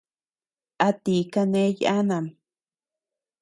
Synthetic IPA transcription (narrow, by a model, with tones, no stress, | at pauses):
ʔa˧t̪i˨ka˧nẽ˦ja̰˦nã˨m